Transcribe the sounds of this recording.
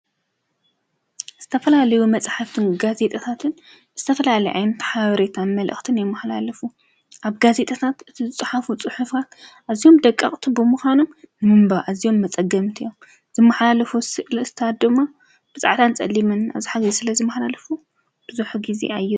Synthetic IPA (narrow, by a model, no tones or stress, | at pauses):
z̥ɨt̪ʰɐfɐlalɐjumɐt͡sʼħaft̪ʰɨnɡaze̞t̪ʼɐt̪ʰat̪ʰɨn | z̥ɨt̪ʰɐfɐlalɐjʔa̰jnɐt̪ʰħaβɐɾet̪ʰanmɐlʔɨ̰xʼt̪ʰɨnjɛmːɐħla̰lɐfu | ʔaβɡaze̞t̪ʼɐt̪ʰat̪ɨt̪ʰizɨt͡sʼɨħafut͡sʼɨħufkʰat̪ʔazijo̞md̪ɐkʼːɐ̰χʼt̪ʰibɨmuxʷanommɨmbaʔazio̞mːɐt͡sʼɐɡɐmt̪ʰijom | z̥ɨmːɐħlalɐfusɨʔlt̪ʰat̪̚d̪ɨmːa | b̥ɨt͡sʼaʕt̪ʰant͡sʼɐ̰lːimɨna̰βziħaɡisɨlɐzɨmːɐħlalɐfu | b̥ɨzuħɡizḛajːɪ